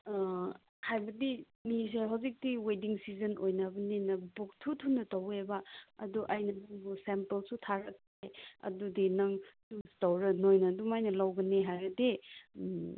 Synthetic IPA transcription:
hajbɐdi | mis̬eɦawzik̚tiwediŋsizɐnojnabɐnenɐbuk̚tʰutʰunːɐtɐwebɐɐ̰duʔɐjnɐnaŋbusempelsutʰaɾɐk̚teɐ̰dudinɐŋsustawɾɐnojnɐdumajnɐlawɡɐneɦajɾɐde

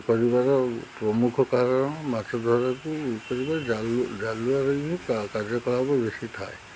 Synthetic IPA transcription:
kɔɹibaɹɔpɹɔmukʰɔkaɹɔnɔmatɔd̪ʱɔɹakukɔɹibaɹzalzaluaɾɔjbikakazɔkɔlabɔbesitʰaj

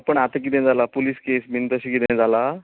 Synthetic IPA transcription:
pəɳat̪ak̬id̪ẽd͡zalapuliskesmint̪əɕikid̪ẽd͡zala

